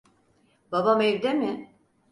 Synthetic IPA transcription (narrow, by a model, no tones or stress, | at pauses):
babamevd̪emɪ